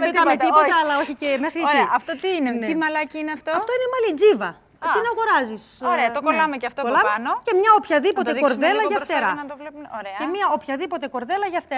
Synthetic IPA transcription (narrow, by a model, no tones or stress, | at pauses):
bet̪ɐmet̪ipo̞t̪ɐːlɐo̞çice̞me̞xɾitɾieɐft̪ot̪iineimɐlɐciineɐft̪oɐft̪o̞inemɐlid͡zivɐ | t̪inɐɣo̞ɾɐzis | ɾeɐt̪okolɐmecɐft̪okolɐmeɐnoce̞mɲɐopçɐðipo̞t̪e̞ko̞ɾðe̞lɐʝɐt̪eɾɐnɐt̪ovlepɾeɐemiɐopçɐðipo̞t̪eko̞ɾðe̞lɐʝɐft̪eɾ